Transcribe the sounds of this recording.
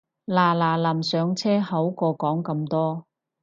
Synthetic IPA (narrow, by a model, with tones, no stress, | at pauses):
laː˨˩laː˨˩lɐ˨˩msœː˨˧ŋt͡sʰɛː˥hɐ˨˥wkɔː˧kɔː˨˥ŋkɐ˧mt̪ɔː˥